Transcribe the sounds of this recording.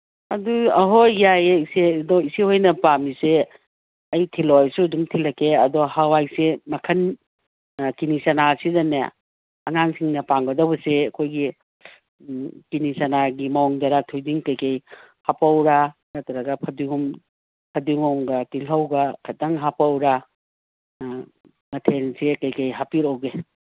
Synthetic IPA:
ɐduɐɦojjajeisedɔisihojnɐpamise | ɐjtʰilɔjsudumtʰilɐkʰeɐdɔhawajsemɐkʰɐn | kinisanasidanḛː | ŋaŋsiŋnɐpaŋbɐdɐwbɐseɐkʰojɡi | kinisɐnaɡimaɔŋdɐɾatʰujdiŋkɐjkɐj | hapawɾa | nɐtɐɾɐɡɐpʰɐdiŋɔm | pʰɐdiŋɔŋɡɐtilɦɐwɡɐkʰɐtaŋɦapawɾa | mɐtʰensekɐjkɐjɦapiɾowɡe

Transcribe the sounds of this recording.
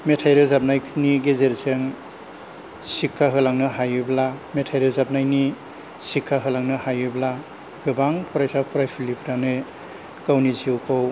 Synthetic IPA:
metʰajɾɯzap̚najʰniɡezeɾseŋ | sikʰːaɦɯlaŋnɯɦajɯblametʰajɾɯzap̚najni | sikʰːaɦɯlaŋnɯhajɯbla | ɡɯbaŋpʰɔɾajsapʰɔɾajpʰilipʰɾanɯ | kawniziwkʰow

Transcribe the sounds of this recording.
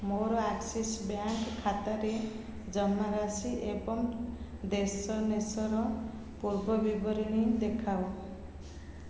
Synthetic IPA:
moɾɔaksesbjaŋkkʰːat̪aɾe | d͡zʌmːaɾasiʔebɔm | d̪esʌnesɔɾɔ | puɾbʌbibɔɾiɽ̃id̪ekʰaw

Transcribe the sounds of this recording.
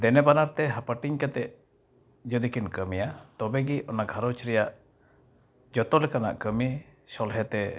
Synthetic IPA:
d̪ɛnɛbanaɾt̪ɛɦapaʈiŋkat̪ɛʔ | d͡ʒɔd̪ikinkəmijat̪ɔbɛɡiʔɔnaɡʱaɾɔt͡ʃɾɛjaʔ | d͡ʒɔt̪ɔlɛkana̰ʔkəmisɔlɦɛt̪ɛ

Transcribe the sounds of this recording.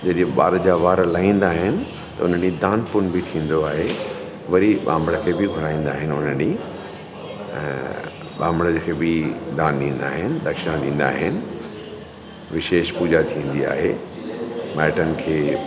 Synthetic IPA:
d͡ʑɐɗɪẽɓa̰ːɾd͡ʑaːʋaːɾlaːĩːn̆d̪aːɦɪnɪ̆ | t̪ɐʊn̤əd͡ʑid̪aːnpʊnbʱɪt̪ʰĩːn̆d̪oaːɦe | ʋɐɾiɓã̰ːmbɽəkʰeːbɪɡʱʊɽaːĩːnd̪aːɦɪnɪʊnəni | ɓãːmbɽəd͡ʑkʰeːbɪd̪aːnɗĩːn̆d̪a̰ːɦɪnɪ̆d̪ɐkʃɪnaɗĩːn̆d̪a̰ːɦɪnɪ̆ | ʋɪʃeːʃpuːd͡ʑat̪ʰĩə̃n̆d̪ia̰ːɦe | maːɪʈənɪ̆kʰeː

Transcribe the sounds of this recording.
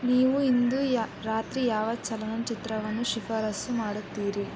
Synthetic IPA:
niːʋuind̪uɾaːt̪ɾijaːʋɐt͡ʃːɐlɐnɐmt͡ʃit̪ɾɐʋɐnuʃifʰɐɾɐsumaːɽut̪iːɾi

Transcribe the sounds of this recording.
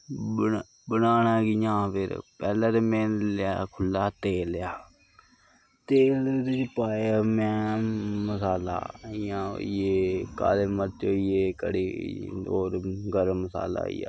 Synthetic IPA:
bə | bənaːnaːkɪjãːpʰɪɾpɛːlaːt̪emẽːnlakʰʊlːaːt̪eːljaː | t̪eːlt̪ʊt͡ʃpaːaːmɛ̃ːməsaːla̰ːɪjãːo̰ieːka̰ːleːmət͡ʃoːieːkə̰ɽiːoːɾɡəɾməsa̰ːla̰ːḭjaː

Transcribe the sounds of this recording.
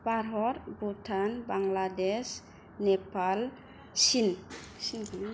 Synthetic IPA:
paɾɦɔɾbutʰanbaŋladɛs | nɛpal | sin

